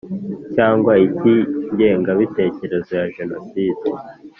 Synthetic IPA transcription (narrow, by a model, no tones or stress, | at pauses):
caːŋɡwaitiɲɟe̞ːŋɡaβite̞ːce̞ɾe̞zo̞jaʒe̞no̞side